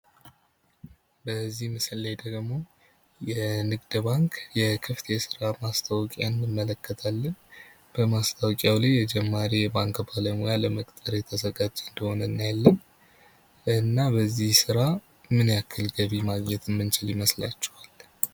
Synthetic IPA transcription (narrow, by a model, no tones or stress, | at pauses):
bəzːihmɨsɨlːajd̪əɡmo̞ | jɛnɨɡd̪baŋkʰjɛkʰɨft̪ʰesɨɾamast̪ʰawkʼanːɨmːələkːət̪ʰalːən | b̥əmast̪ʰawkʼjawlajjɛd͡ʒɛmːaɾijɛbaŋkbaləmojaləməkʼt̪ʼəɾet̪ʰəsəɡad͡ʒʼeɨnd̪əho̞nəɨnːajɛlːən | ɨnːabəzːihsɨɾa | mɨnjakʰːɨlɡəβimaɡɲɛt̪ɨmːɨnt͡ʃɪlɪməslat͡ʃːɛ̥wal